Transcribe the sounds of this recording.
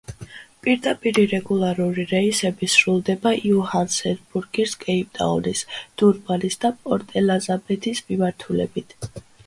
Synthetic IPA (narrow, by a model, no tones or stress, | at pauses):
pʼiɾd̪apʼiɾiɾɛɡulˠaɾuɾiɾɛisɛbisɾulˠd̪ɛbaʔiuhansɛɾbuɾɡiɾskʼɛip̚ʼt̪ʼa̰ɔnisd̪̥uɾbalisd̪apʼɔɾt̪ʼɛlazabɛt̪ʰismimaɾt̪ʰulɛ̰bit̪ʰ